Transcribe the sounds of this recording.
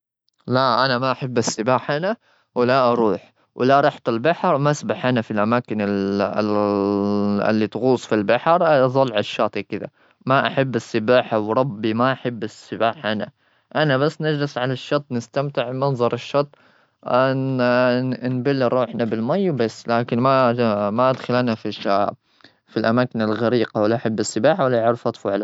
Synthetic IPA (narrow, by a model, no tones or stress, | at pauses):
laʔanamaʔaħabːasːɪbaːħhana | wɪlaʔɑɾˤuːħ | wlaɾˤɑħt̪albaħɾˤmaasbaħhanafilʔamaːkɪnɪl | ɪ̰lːit̪ɣuːsˤfilbaħɑɾˤzˤɑlːʕɪʃːɑːt̪ˤikɪd̪a̰ | maʔaħabːasːɪbaːħawɾˤɑbːimaʔaħabːasːɪbaːħhana̰ | ʔanaβasːnad͡ʒlɪsʕalaʃːɑt̪ˤːnɪst̪amt̪ɪʕmɑnzˤɑɾˤɪʃːɑt̪ˤː | nbalːɪɾɾˤuːħnabɪlmajːbasːlaːkɪnmamaʔad̪xalʔanafia | filʔamaːkɪnalɣaɾiːqawalːaʔaħabːasːɪbaːħawalːaʕʊɾfɑt̪ˤfuʕala